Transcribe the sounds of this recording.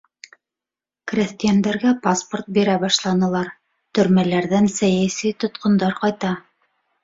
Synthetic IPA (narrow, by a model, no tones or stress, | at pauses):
krʲæθt̪ijænd̪æɾɡæpasport̪̚biɾæbɑʃlˠɑnɤ̆lˠɑɾ | t̪ɵ̆ɾmælæɾðænsæjæsijt̪ŏt̪qŏnd̪ɑɾqɑjt̪ɑ